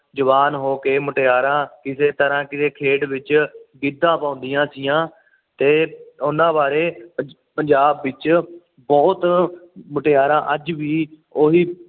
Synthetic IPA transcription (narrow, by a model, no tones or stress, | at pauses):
d͡ʒəʋaːnɦoːkeːmʊʈeːaːɾãːkɪseːt̪əɾãːkɪseːkʰeːɖʋɪt͡ʃɡɪd̪ːãːpãːʊ̃nd̪ɪjãːsijãː | t̪eːʊnãːbaːɾeː | pəɲd͡ʒaːbːɪt͡ʃ | bɔːt̪mʊʈeːaːɾãːʔəd͡ʒʋiː | oːɦiː